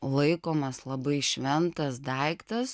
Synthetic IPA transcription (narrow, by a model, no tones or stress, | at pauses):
lˠɐɪkoːmɐslˠɐbɐɪʃʲʋʲɛnt̪ɐsd̪ɐɪkt̪ɐs